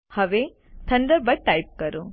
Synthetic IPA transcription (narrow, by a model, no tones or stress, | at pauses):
hɐʋe | t̪ʰɐɳɖɐɾbɐʈɐjp̚kɐɾu